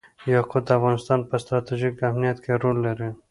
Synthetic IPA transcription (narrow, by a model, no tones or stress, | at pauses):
jɑqʊd̪afɣɑnɪst̪ɑnpəst̪ɾɑt̪iʒikamnijat̪kʰeɾolːaɾi